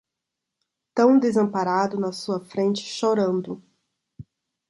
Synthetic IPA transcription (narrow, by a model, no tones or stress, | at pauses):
t̪ɐ̃w̃d̪ezɐ̃paɾad̪ʊnɐsuɐfɾẽnt͡ʃɪ̥ʃoɾɐ̃nd̪ʊ